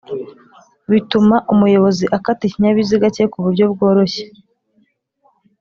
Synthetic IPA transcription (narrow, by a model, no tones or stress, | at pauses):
βitumaʔumujo̞βo̞ziʔakatiɲaβiziɡace̞kuβuɾɟo̞bɡo̞ːɾo̞ɕe̥